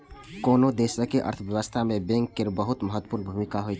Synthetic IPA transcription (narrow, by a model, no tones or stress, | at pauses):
koːnod̪eːʃəkiʔɐ̰ɾt̪ʰʋjəʋəst̪ʰamẽbẽŋkːɪɾbəɦʊt̪məɦət̪ːwəpuːɾnbʱumɪkaɦoi